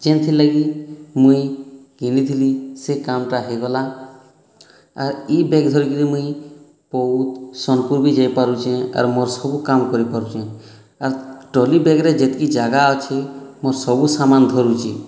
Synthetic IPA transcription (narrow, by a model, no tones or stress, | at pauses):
d͡ʒent̪ʰilaɡimũi | ɡʱinit̪ʰilisekamʈaɦeɡɔla | ɾibeɡd̪ʱɔɾikiɾimũi | pɔut̪sɔnkuɾbid͡ʒajpaɾut͡ʃʰɛ̃a̰ɾmoɾsɔbukamkɔɾipaɾut͡ʃʰɛ̃ | aɾʈɔlibeɡɾed͡ʒet̪ikid͡ʒaɡaɔt͡ʃʰemoɾsɔbusamand̪ʱɔɾut͡ʃʰi